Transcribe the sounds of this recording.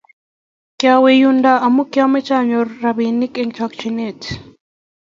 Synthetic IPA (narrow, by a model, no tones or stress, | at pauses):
kjawejundaamukjamɛt͡ʃaɲorːabinikɛŋt͡ʃak̚t͡ʃinet